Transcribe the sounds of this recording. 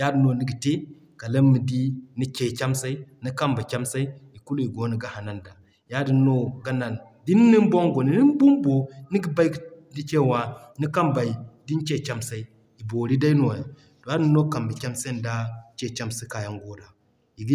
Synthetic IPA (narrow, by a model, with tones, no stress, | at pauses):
ja˦di˨no˨ni˦ɡi˨te˦ | ka˨lə˦mːi˨di˦ni˦t͡ʃe˨t͡ʃa˦msa˦i˦ni˦ka˦mba˨t͡ʃʲa˦msa˦i˦i˨ku˦lu˦i˨ɡo˨˦ni˨ɡa˦ha˨na˨nda˨ | ja˦di˨nːo˦ɡa˦na˨n | di˦n˦ni˦m˦bo˦ŋɡo˨ni˨˦ni˦m˦bu˦mbo˨ni˦ɡi˦ba˦i˦˨ni˦t͡ʃe˦˨wa˨ni˦ka˦mba˨i˨di˦n˦t͡ʃe˦˨t͡ʃa˦msa˦i˦ | i˨bo˨ɾi˦da˦i˦no˨ja˨ | to˨ja˦di˨no˦ka˨mba˨t͡ʃa˦msa˦n˨da˦t͡ʃe˦˨t͡ʃa˦msa˦ka˨ja˦ŋɡo˦da˨ | i˨ɡi˦